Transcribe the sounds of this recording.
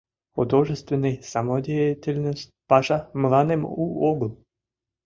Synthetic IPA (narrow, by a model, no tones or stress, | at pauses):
od̪oʒest̪venajsamod̪ʲejat̪ʲelʲnost̪ʲpaʃamlˠanemuoɡlˠ